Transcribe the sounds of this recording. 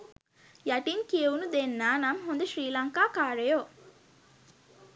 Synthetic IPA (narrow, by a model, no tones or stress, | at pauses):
jɐʈiŋkijeunud̪enːaːnɐmɦond̪eʃɾiːlɐŋkaːkaːɾejo